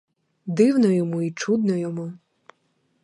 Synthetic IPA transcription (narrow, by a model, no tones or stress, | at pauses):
d̪ɪwnɔjɔmuit͡ʃud̪̚nɔjɔmu